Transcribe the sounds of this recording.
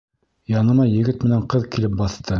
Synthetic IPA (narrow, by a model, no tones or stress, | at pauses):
jɑnɤ̆mɑjɘ̆ɡɘt̪mɘ̆næɴqɤðkilɘp̚bɑθt̪ɤ